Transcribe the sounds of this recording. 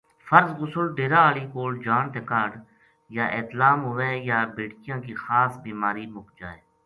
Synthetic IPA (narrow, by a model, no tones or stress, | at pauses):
fəɾzɣʊsʊlɖeːɾaːaːliːkoːld͡ʒaːnt̪eːkaːɽ | jaːʔeːt̪laːmɦʊʋeːjaːbeːʈkɪjãːkiːxaːsbiːmaːɾiːmʊkd͡ʒa̰ːeː